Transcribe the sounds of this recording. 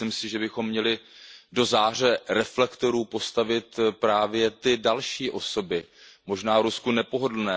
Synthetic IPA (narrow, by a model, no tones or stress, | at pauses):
ɪmsɪʒɛbɪxo̞mːɲɛlɪdo̞zaːr̝ɛɾɛflɛkt̪o̞ɾuːpo̞st̪avɪt̪pɾaːvjɛt̪ɪdalʃiːʔo̞so̞bɪmo̞ʒnaːvɾuskunɛpo̞ɦo̞dl̩nɛː